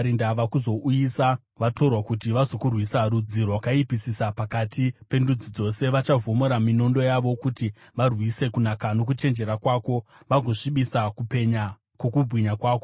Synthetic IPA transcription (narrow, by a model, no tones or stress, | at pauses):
ɾindaʋakuzo̞ʔujisa | ʋato̞rwakutiʋazo̞kurwisaɾud͡zirwakaipisisapakatipe̞ndud͡zid͡zo̞se̞ʋat͡ʃavo̞moɾamino̞ndo̞jaʋo̞kuti | ʋarwise̞kunakano̞k̬ut͡ʃe̞nd͡ʒe̞ɾakwaːko̞ | ʋaɡʱo̞ʂiɓisakupe̞ɲa | kwo̞kubʱwiɲakwaːko